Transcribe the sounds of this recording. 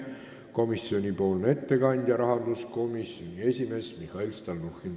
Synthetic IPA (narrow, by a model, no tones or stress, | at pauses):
ko̞misːio̞nʲipo̞ːlnee̞t̪ːe̞kɑnʲd̪̥ʲjɑɾɑɦɑnd̪̥usko̞misjonʲie̞sʲime̞smihɑilst̪ɑlnuxin